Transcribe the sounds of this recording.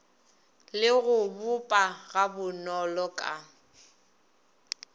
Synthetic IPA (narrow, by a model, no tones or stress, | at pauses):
lɪɣʊbʊpʼaɣabʊnɔlɔkʼa